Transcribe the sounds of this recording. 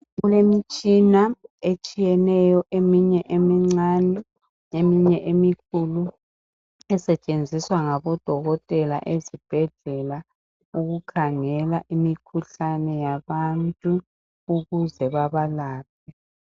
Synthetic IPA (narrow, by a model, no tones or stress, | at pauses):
ɣɣulemit͡ʃʼinaet͡ʃʼijɛnɛjɔʔemiɲɛʔemiŋ͡ǀanɛ | emiɲɛʔemikʰulu | ɛsɛt͡ʃʼend͡zʱiswaŋaβɔd̥ʱɔɣɔtʼɛla̰ʔezib̥ʱɛɮɛla | uɣukʰaŋɛlaʔimikʰuɬanɛjaβantʼu | uɣuzɛβaβalaːp̚ʰɛ